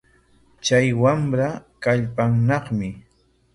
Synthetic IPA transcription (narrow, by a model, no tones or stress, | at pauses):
t͡ʃajwamɾakaʎpaŋnɑχmɪ